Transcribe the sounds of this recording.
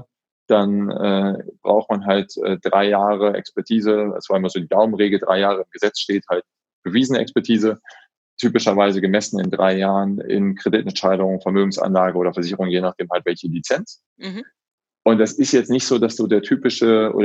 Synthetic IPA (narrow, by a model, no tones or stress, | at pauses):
d̥anɛ̰ːb̥ʁa̰ʊxt̚manɦaltʔɛ̰ːd̥ʁaɪjaːʁəʔɛ̰kspɛɐtʰiːzəa̰sv̥aːɪmɐzoːdiːd̥aʊmənʁeːɡl̩dʁa̰ɪjaːʁ̞əɪmɡəzɛt͡sʃteːthalt̚ | b̥əviːzənəʔɛ̰kspɛɐtʰiːzə | tʰyːpɪʃɐvaɪzəɡəmɛsn̩ɪ̰ndʁaɪjaːʁənɪ̰nkʁ̥edɪtɛntʃaɪɾdʊŋfɛɐmøːɡŋ̩sa̰nlaːɡəʔoːɾɐfɛɐzɪçəʁʊŋjeːnaχd̥eːmhaltv̥ɛlçəlit͡sɛnt͡s | ʔʊntd̥asɪstjɛt͡stnɪçtz̥oːdasd̥uːdeːɐtʰyːpɪʃəʔo̰ː